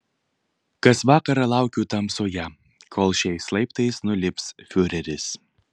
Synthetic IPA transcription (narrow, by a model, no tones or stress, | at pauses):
kɐsʋɑːkɐɾɐlˠɑˑʊkʲuːt̪ɐmsoːjæ | kʰoːlˠʃʲɛɪslˠɐɪpt̪ɐɪsnʊlʲɪpʲsfʲʊɾʲɛɾʲɪs